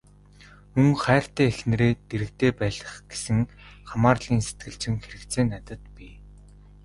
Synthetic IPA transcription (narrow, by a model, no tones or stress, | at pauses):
ɵŋχæːr̥t̪æːexnĕɾeːt̪eɾɘ̆k̚t̪eːpæːɮə̆χɡ̥e̥sɘ̆ŋχamaːrɮiːnse̥t̪̚ɡɘ̆ɮt͡ɕɪ̆ŋxeɾɘ̆kt̪t͡seːnːat̪ə̆t̪pʲi